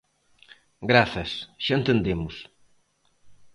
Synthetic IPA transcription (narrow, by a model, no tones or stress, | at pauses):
ɡɾaθɐsʃãnt̪ẽnd̪emʊs